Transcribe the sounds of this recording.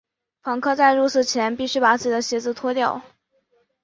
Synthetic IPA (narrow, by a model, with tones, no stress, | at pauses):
pʰɑ˧˥ŋkʰɤ˥˧t͡sa˥˧ɪɻu˥˧sɹ̩˥˩t͡ɕʰjɛ˧˥npi˥˧ɕy˥˩pa˨˩t͡sɹ̩˥˩t͡ɕi˩ə˦ɕjɛ˧˥t͡sɹ̩˥˩t̪ʰwɔ˥t̪jɑ˥˩ʊ